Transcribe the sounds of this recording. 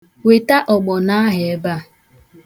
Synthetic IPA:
we˨ta˦ʔɔ˨ɡ͡bɔ˨na˦ɦɪ˨e˦ba˦˨

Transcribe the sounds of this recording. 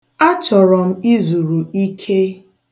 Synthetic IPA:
a˦t͡ʃɔ˨ɾɔ˨m̩˦i˦zu˨ɾu˨i˦kʰe˦

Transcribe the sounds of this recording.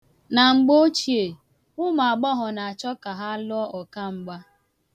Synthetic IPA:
na˨ŋ͡m̩˨ɡ͡bo˦t͡ʃi˨e˨ | ʊ˦ma˨ɡ͡bɔ˦ɦɔ˨na˨a˨t͡ʃɔ˦ka˨ɦa˦lɔ˦ɔ˨ka˦ŋ͡m̩˨ɡ͡ba˦

